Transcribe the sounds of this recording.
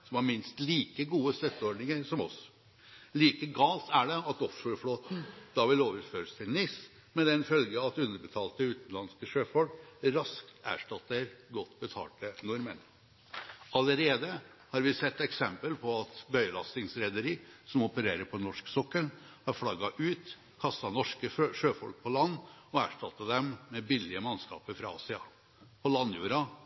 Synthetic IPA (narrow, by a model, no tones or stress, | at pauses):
sɔmɑɾmɪnst̪liːkəɡuːəst̪œt̪ːəɔɾɖnɪŋəɾsɔmɔs | liːkəɡɑːlt̪ʰæɖɛɑt̪ɔfːəfɽoːt̪n̩d̪̥ɑʋɪloːʋəɾføːɾəst̪ʰɪlnɪs | mɛd̪ɛnfœlɡəɑt̪ʉnd̪əɾbət̪ʰɑːlt̪əʉːt̪n̩lɑnskəʃøːfɔɾʈɾɑskt̪æ̰ːʂʈɑt̪ːəɾɡɔt̪ːbət̪ʰɑ̰ːʈənʊɾmən | ɑləɾeːd̪ə | hɑːɾʋɪsɛt̪ːɛksɛmpəlpʰɔɑt̪bœʏəlɑst̪ɪŋsɾɛd̪əɾiːsɔmɔpəɾeːɾəɾpʰɔnɔʂksɔkːəɳhɑɾfɽɑɡɑʔʉːt̪ | kʰɑst̪ɑnɔʂkəʂøːfɔlk̚pʰɔlɑnːɔæ̰ːʂʈɑt̪ːɑd̪ɛmːɛbɪlːɪəmɑnskɑ̰ːpəɾfɾɑɑ̰ːsɪɑ | pʰɔlɑnjṵːɾɑ